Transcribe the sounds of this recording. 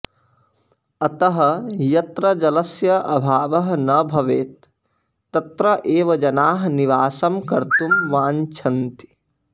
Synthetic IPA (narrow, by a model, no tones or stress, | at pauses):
ɐt̪ɐɦɐ̆jɐt̪ɾɐd͡ʒɐlɐsjɐʔɐbʱaːʋɐɦɐnɐbʱɐʋeːt̪̚ː | ɐt̪ɾɐʔeːʋɐd͡ʒɐnaːɦniʋaːsɐmkɐɾt̪umʋaːɲt͡ʃʰɐnt̪i̥